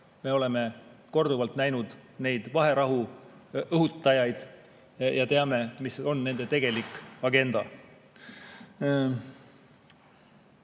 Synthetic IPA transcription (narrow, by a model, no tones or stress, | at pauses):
me̞o̞le̞me̞ko̞rd̪uvɑlt̪næjnud̪̥ne̞jd̪̥vɑɦe̞ɾɑɦu | ʔɤɦut̪ːˑɑjɑjd̪̥ | jɑt̪e̞ɑme̞miso̞nːe̞nd̪̥e̞t̪e̞ɡ̥e̞likːˑɑɡe̞nd̪̥ɑ̰